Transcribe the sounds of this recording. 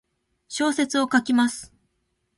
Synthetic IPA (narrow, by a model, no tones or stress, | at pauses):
ɕo̞ːse̞t͡sɨo̞kakʲimasɨ̥